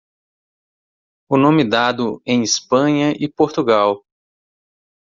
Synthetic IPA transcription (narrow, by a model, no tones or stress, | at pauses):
ʊnõmɪd̪ad̪ʊẽj̃ispɐ̃ɲɐʔɪpoɾt̪uɡaw